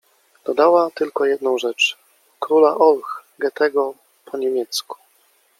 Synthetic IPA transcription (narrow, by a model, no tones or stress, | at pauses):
d̪̥ɔd̪awat̪ɘlkɔjɛd̪nɔ̃w̃ʐɛt͡ʂ | kɾulaʔɔlxɡɛt̪ɛɡɔ | pʰɔɲɛmʲjɛt̪sku̥